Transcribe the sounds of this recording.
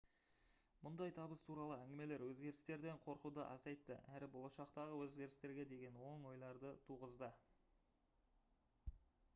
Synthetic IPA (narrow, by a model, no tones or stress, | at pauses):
mʊnd̪ɑjt̪ʰɑbəst̪ʰuɾɑlˠəæŋɡʲɪme̞le̞ɾwɵzɡʲe̞ɾɪst̪e̞ɾd̪e̞ɴqʰo̞ɾqud̪əʔɑ̰sɑjt̪ːə̰ʔæɾɪbo̞lˠɑʃɑqt̪ɑʁəwɵzɡʲe̞ɾɪst̪e̞ɾɡʲe̞d̪e̞ɡʲe̞nwo̞ŋwo̞jlˠɑɾd̪ət̪ʰuʁəzd̪ə